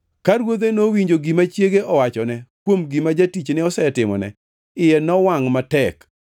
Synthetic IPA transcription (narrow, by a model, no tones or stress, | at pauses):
kaɾwod̪enowiɲd͡ʒoɡimat͡ʃjeɡeʔɔwat͡ʃɔnɛkwomɡimad͡ʒatit͡ʃnɪɔsɛtɪmɔ̰nɛ̰ | ɪjɛnɔwaŋmatɛk